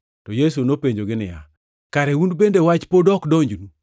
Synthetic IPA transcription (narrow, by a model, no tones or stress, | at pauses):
tɔjes̬unopeɲd͡ʒoɡɪnɪja | kaɾɛundbendewat͡ʃpodɔkdoɲd͡ʒnu